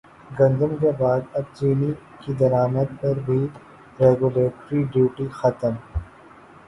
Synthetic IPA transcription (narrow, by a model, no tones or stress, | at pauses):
ɡɐ̃nd̪əmkebaːd̪ɐb̚t͡ʃiːni | kid̪ɐɾaːməd̪̚pɐɾbʱi | ɾeːɡuleːʈɾiɖjuːʈixɐt̪əm